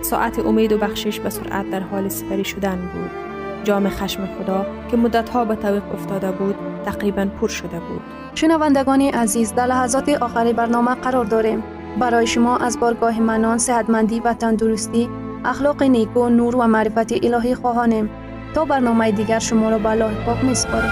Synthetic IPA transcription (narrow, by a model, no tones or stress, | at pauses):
sɔ̰ʔat̪ʰiʔʊmed̪ʊbaχʃiʃbasʊɾʔa̰t̪̚d̪aɾhɔlisi̥paɾiʃʊd̪anbṵd̪̥ | d͡ʒɒːmiχaʃmiχʊd̪ɔkimʊd̪ːat̪hɔbat̪ʰaviqʊft̪ɔd̪abud̪t̪ʰːaqɾibanpʰuɾʃʊd̪abṵd̪̥̚ | ʃʊnavand̪aɡɔniʔazizd̪aɾlaɦazɔt̪iʔɔχaɾibaɾnɔmaqʰaɾɔɾd̪ɔɾe̞m | baɾɔjiʃʊmɔʔazbɔɾɡɔɦimanɔnsehat̪mand̪ivat̪and̪uɾust̪i | aχlɔqinekunuɾvamaɾifat̪iʔilɒɦiχɔɦɔnem | t̪ɔbaɾnɔmaid̪iɡaɾʃʊmɔɾɔbalːɔɦipʰɔkmisʊ̥pʰɔɾ